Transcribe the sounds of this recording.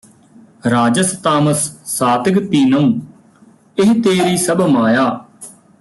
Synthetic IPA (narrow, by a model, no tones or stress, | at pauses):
ɾaːd͡ʒəst̪aːməsːaːt̪ɪɡt̪iːnəũː | ɪɦt̪eːɾiːsəbmaːjaː